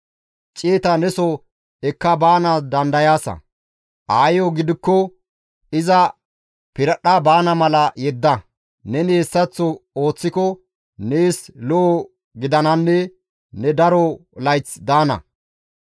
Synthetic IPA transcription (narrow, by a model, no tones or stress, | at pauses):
t͡ʃʼeːt̪ɐnɛsɔ | ɛkːɐbaːnɐd̪ɐnd̪ɐjaːsɐ̰ | ʔaːjɔɡɪd̪ɪkːɔ | ɪzɐ | pɪɾɐɗabaːnɐmɐlɐjɛd̪ːɐ | nɛneːsːɐt͡sːɔoːt͡sːɪkɔ | neːslɔʔː | ɡɪd̪ɐnɐnːɛ | nɛd̪ɐɾɔlɐjt͡sd̪aːnɐ̰